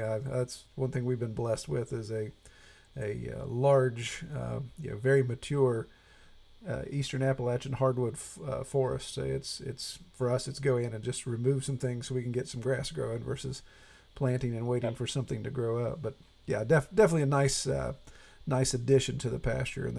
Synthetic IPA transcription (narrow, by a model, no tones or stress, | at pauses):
æðætswʌ̃nθɪ̃ŋwivbɨ̃nblɛst̚wɪðɨzɨ | ɨʌ̰lɑɹd͡ʒʌ̰jæ̰vɛɹimɨt͡ʃʰʊɹ | ʌistə̃˞næpl̩ˠæt͡ʃɨ̃nhɑɹd̚wʊd̥̰fɔɹɨ̰stso̰ʊɨtsɪ̰tsfə˞ʌsɨtsɡ̥oʊɪ̃ŋɨ̃nɨ̃nd͡ʒʌst̚ɹɨmʉv̥sʌ̃mθɪ̃ŋz̥soʊwikɨ̃n̩ɡɛtsʌ̃mɡɹæsɡ̥ɹoʊɪ̃ŋvɜ̰˞sɨz̥ | pʰl̥æ̃ntɪ̃ŋɨ̃nweɪɾɪ̃ŋfə˞sʌ̃mθɪ̃ŋtʰɨɡɹoʊʌp̚b̥ʌt̚ | jædɛfd̥ɛfənətˡliɨnaɪsʌ̰ | naɪsɨdɪʃɨ̃ntʰɨðɨpʰæ̰st͡ʃə̰˞ɨ̰̃n